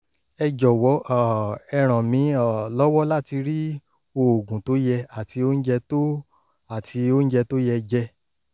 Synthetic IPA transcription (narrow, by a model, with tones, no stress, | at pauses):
ɛ˧d͡ʒɔ˨wɔ˨˦ʔɛ˧ɾ̃ã˨mĩ˨˦ɔ˨lɔ˦wɔ˦la˦˨ti˧ɾi˦ | o˧o˨ɡũ˨to˨˦jɛ˧a˨ti˧o˦n̩˦d͡ʒɛ˧to˦ | a˨tʰi˧o˦n̩˦d͡ʒɛ˧to˦jɛ˧d͡ʒɛ˧